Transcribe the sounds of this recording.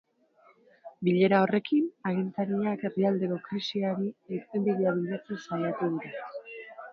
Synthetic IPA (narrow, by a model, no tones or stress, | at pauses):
biʎe̞ɾao̞re̞kinaɣ̞int͡s̪aɾiake̞riald̪e̞ko̞kɾisiaɾieist̪end̪iɾiaβiʎat͡sensaʎat̪uðuɾe